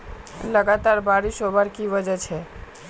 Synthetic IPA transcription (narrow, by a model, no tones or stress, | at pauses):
ləɡat̪aɾbʱaɾiʃobaɾkiʋəd͡ʒət͡ʃʰe